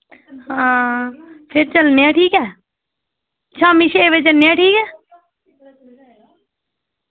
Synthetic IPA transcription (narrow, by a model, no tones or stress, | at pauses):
hãː | pʰɪɾt͡ʃəlneãːʈʰiːkɛː | t͡ʃʰaːmiʃeʋet͡ʃəlnːeãːʈʰiːkɛː